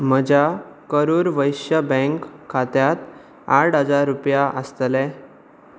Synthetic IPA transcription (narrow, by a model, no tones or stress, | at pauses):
məd͡ʑakəɾuːɾʋəjɕjəbə̃ŋkʰːat̪jat̪ | aʈɦəd͡zaɾːupjaʔəst̪lɛ